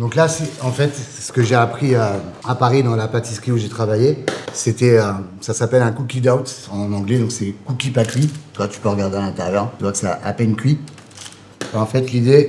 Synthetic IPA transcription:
d̪ɔ̃klasɛɑ̃fɛt̪sə̥kəʒeapχiøapaʁid̪ɑ̃lapat̪isχiuʒet̪χavajeset̪ɛøsasapɛlɛ̃kukʲid̪awt̪ɑ̃nɑ̃ɡlɛd̪ɔ̃ksɛkukʲipat̪χit̪ywat̪y̥pøʁəɡaʁd̪ealɛ̃t̪ɛʁjœʁtyvwaksea̰ʔapɛnkʲɥi | baɑ̃fɛt̪lid̪e

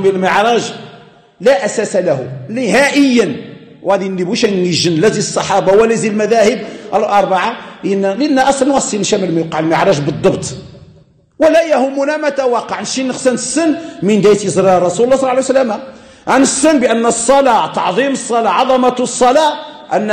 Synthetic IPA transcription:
millməʕɾˤɑʒ | læʔæsæsalæhunɪhæʔəjːən | wæd̪inːibuʃæəʒənlæzisˤːɑħɑbawəlæzilmæðæhəb̚ʔəlʔɑɾˤbɑʕanːælʔnːæʔɑsˤlɑnwæsˤinʃæmilmjɑqɑʕəlməʕɾˤɑʒbəd̪ˤːɑbt̪ | wəlæjæhʊmːunæmæt̪æwɑqːɑʕnʃinːəxsænəsːənːmənd̪æjt̪əzɾɑrˤːɑsullːɑsˤlːɑʕlijwsəlːæma | ʕanəsːənːbəʔənːsˤːɑlɑt̪ɑʕðˤiməsˤːɑlɑʕɑðˤɑmɑsˤːɑlɑ | ʔənː

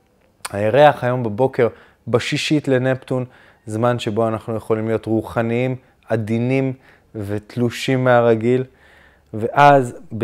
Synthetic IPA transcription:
hajeʁeaχajo̞mbebo̞ke̞ʁ | baʃiʃit̪le̞nepton | zmanʃe̞bo̞anaχnuje̞χo̞limlijo̞t̪ʁuχaniim | ad̪inim | ve̞t̪luʃimːeaʁaɡil | ve̞ʔazbe

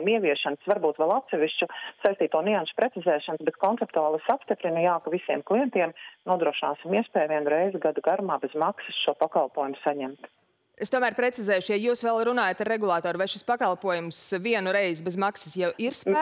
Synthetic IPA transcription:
miɛʋiɛʃansvaɾbuːt̪ʋɛlˠat̪sɛʋiʃt͡ʃusajst̪iːt̪uɔnɛanʃu̥pɾɛt̪izɛːʃansbɛt̪̚kɔnsɛp̚t̪uaːlˠɨsapst̪ipɾinɐjaːkavisiɛmklˠijɛnt̪iɛmnuɔd̪ɾuɔʃina̰ːsimiɛspɛːjvʲiɛnuɾɛjzɪɡad̪uɡaɾumaːbɛzmaksɨ̥sʃuɔpakalˠpuɔjumusaɲɛmt̪ | est̪uɔmæːɾpɾet̪sizɛːjʃjajuːsʋɛlˠɾunaːjat̪aɾeɡulˠaːt̪oːɾvajʃispakalˠpuɔjumsviɛnuɾɛjzbɛzmaksə̥sjɛwiɾs

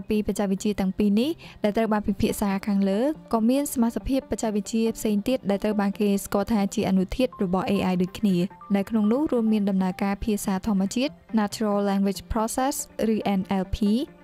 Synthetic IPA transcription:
piːprac̚t͡ɕac̚ʋɨc̚t͡ɕiət̪ɛ̆əŋpiːnihɗaɛlt̪rəwɓaːnpipʰiəʔsaːkʰaːŋləːkɑːmiənsamat̪sʰapʰiəpːac̚t͡ɕac̚ʋɨc̚t͡ɕiəpʰseːŋt̪iət̪̚ɗaɛlt̪rəwɓaːnkeːskŏəlt̪ʰaːt͡ɕiəʔanut̪ʰiət̪̚rɔɓɑhʔeːʔajɗoːc̚kʰniənawkʰnoŋnʊ̆əhruəmːiənɗɑmnaəkaːpʰiəsaːt̪ʰŏəmːə̆ət͡ɕiət̪̚naːt͡ɕʰurolːɛːŋʋɪt͡ɕpʰrosɛsrɨːʔɛnʔɛlpʰiː

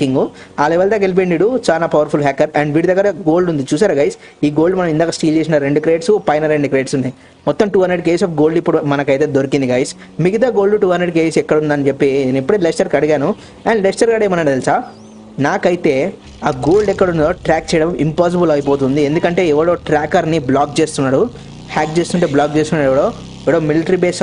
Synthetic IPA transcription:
kiŋɡu | aːlɛʋɐːld̪aːkelp̬eɳɖiɽut͡ʃaːlaːpɐʋɐɾpʰulɦaːkːɐɾɐɳɖʋiːɽid̪ɐɡːɐɾɐɡo̞ːlɖund̪it͡ʃuːs̬aːɾuɡɐjs | iːɡo̞ːlɖumɐnɐmind̪aːkɐsʈiːld͡ʒes̬inɐɾeɳɖukɾeːʈsupɐjnɐɾeɳɖikɾeːʈsunːaji | mɔt̪ːɐmʈuːɦɐnɾeɖk̬eːsɐːfɡo̞ːlɖipːuɽumɐnɐkɐjt̪e̞ːd̪oɾikind̪iɡɐjs | miɡit̪aːɡo̞ːɭɖuʈuːɦɐndeɖkeːsɛkːɐɽund̪aːnit͡ʃepːenipːuɽeːlesʈɐɾkɐɽiɡaːnu | ɐːnlesʈɐɾkaɽeːmɐnɐt̪elsaː | naːkɐjt̪e̞ː | aːɡo̞ːlɖɛkːɐɽund̪oːʈɾaːk̚t͡ʃɛjɽɐmimpaːs̬ibulɐjip̬o̞ːt̪̬und̪iend̪ukɐɳʈe̞ːɛʋɐɽo̞ːʈɾaːkɐɾniblaːkt͡ʃeːst̪unːaːɽu | haːk̚t͡ʃeːst̪uɳʈeːblaːk̚t͡ʃe̞ːst̪unːaːɾɛʋɐɽoː | ɛʋɐɽoːmilʈɐɾibeːs

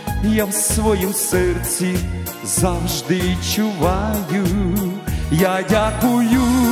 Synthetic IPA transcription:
jawsʋɔjimsɛrsʲi | zawʒd̪ɪt͡ʃʊʋajʊ | jadʲakʊjʊ

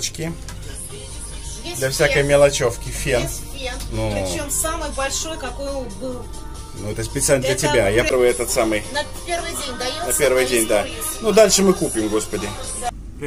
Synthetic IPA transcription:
t͡ɕkʲɪ | d̪lʲɐfsʲakəjmʲɪlˠɐt͡ɕofkʲɪfʲenʲ | enuɪt͡ɕemsamɨjbɐlʲʂo̞jkɐkojʊɡlup | nuɛt̪əspʲɪt̪sɨalʲnəd̪lʲətʲɪbʲajaɾvɨɛt̪ət̪samɨjnɐ | pʲervɨjdʲenʲd̪ɐjnɐpʲe̞rvɨjdʲenʲd̪a | nud̪alʲʂɨmɨkupʲɪmɡo̞spədʲɪ

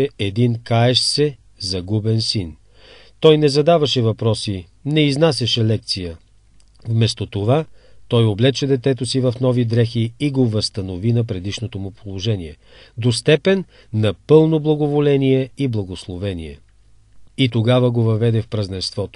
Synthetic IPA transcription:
ɛɛd̪inkaɛʃsɛ | zɐɡubɛnsin | t̪ɔjnɛzɐd̪avɐʃɛvɐpɾɔsi | nɛiznasɛʃɛlɛk̚t̪sijə | vmɛst̪ot̪ovat̪ɔjoblɛt͡ʃɛd̪ɛt̪ɛt̪osivɐfnɔvid̪ɾɛxiːɡovɐst̪ɐnovinɐpɾɛd̪iʃnot̪omʊpolˠoʒɛniɛ | d̪ost̪ɛpɛnː | ɐpɤlˠnoblˠɐɡovolɛnijɛiblˠɐɡoslˠovɛnḭɛ | it̪oɡavəɡovɐvɛd̪ɛfpɾɐznɛst̪vɔt̪o̥

